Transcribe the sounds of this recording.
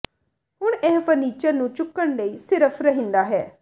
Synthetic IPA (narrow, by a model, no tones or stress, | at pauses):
hʊɳ̃ɛːpəniːt͡ʃəɾnũːt͡ʃʊkːəɳləiːsɪɾəpʰɾəɦĩnd̪aːɦɛː